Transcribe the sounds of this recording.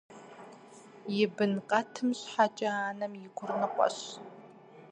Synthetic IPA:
jɪbɨnqʼɐtʰɨmɕħat͡ʃʼɐaːnɐmjɪɡʷʊrnɨqʷʼɔ̰ɕ

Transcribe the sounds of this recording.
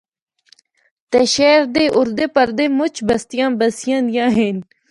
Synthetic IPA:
t̪eʃɛːɾd̪eʔʊɾd̪eːpɐɾd̪eːmʊt͡ɕbɐst̪ijãːbɐsijãːnjãːɦeːn

